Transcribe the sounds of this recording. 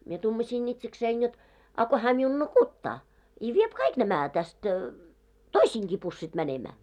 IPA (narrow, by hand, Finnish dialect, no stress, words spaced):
mie tumɑsʲiːn itseksein jot ɑ ko hæː miun nukutːɑː i ʋiep kɑik næmæ tæst toisiːŋki pusːit mænemæː